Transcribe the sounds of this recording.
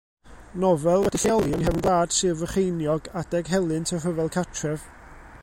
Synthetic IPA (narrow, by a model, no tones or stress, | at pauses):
nɔvɛlˠwɛd̥iɬɔlˠiənhɛvənɡlˠaːd̥sɨːvəχejnjɔɡad̥ɛɡɦɛlˠɨntʰərəvɛlˠkʰatʰrɛv̥